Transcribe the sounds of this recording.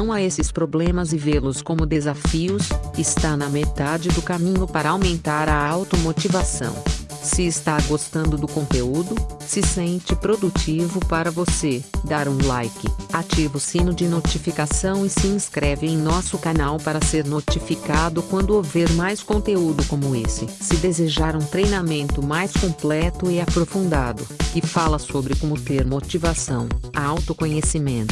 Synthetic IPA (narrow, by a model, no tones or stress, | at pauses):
ɐ̃w̃aesɪspɾoblẽmɐzɪvelʊskõmʊd̪ezafiʊsɪst̪anɐmet̪ad͡ʒɪd̪ʊkamĩɲʊpaɾɐawmẽnt̪aɾɐawt̪omot͡ʃivasɐ̰̃w̃ | sɪːst̪aɾɡost̪ɐ̃nd̪ʊd̪ʊkõnt̪eud̪ʊsɪsẽnt͡ʃɪpɾod̪ut͡ʃivʊpaɾɐvosed̪aɾũlajkɪ̰at͡ʃivʊsĩnʊd͡ʒɪnot͡ʃifikasɐ̃w̃ɪsɪĩskɾɛvɪẽj̃nɔsʊkanawpaɾɐseɾnot͡ʃifikad̪ʊkwɐ̃nd̪ʊoveɾmajskõnt̪eud̪ʊkõmʊesɪsɪd̪ezeʒaɾũt̪ɾejnamẽnt̪ʊmajskõplɛt̪ʊɪapɾofũnd̪ad̪ʊkɪfalɐsobɾɪkõmʊt̪eɾmot͡ʃivasɐ̃w̃aawt̪ʊkõɲesimẽnt̪ʊ̥